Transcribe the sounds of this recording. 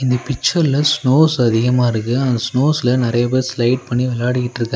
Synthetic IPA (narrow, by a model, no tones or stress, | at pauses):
ɪnd̪ɐpɪt͡ʃːɐɾɪlɐsnoːsɐðɪɣɐmaːɪɾɯkːɯɐnd̪ɐsnoːsɪlɐnɪɾɐjɐpeːɾslɐɪʈ̚pɐɳːiʋɛlaːɽɪkːɪʈːɾɯkːɯ̃